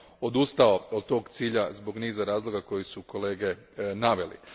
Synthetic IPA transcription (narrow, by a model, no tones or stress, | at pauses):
o̞d̪ust̪ao̞od̪̚t̪o̞ːɡt̪siːʎazbo̞ɡniːzaɾaːzlˠo̞ɡako̞jisuko̞le̞ːɡe̞ | naʋe̞lḭ